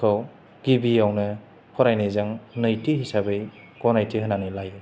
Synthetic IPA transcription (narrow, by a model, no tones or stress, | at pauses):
kʰɔw | ɡ̥ibijawnɯ | pʰɔɾajnɯjzaŋnɯjtʰiɦisabɯj | ɡ̥ɔnajtiɦɯnanɯlajɯ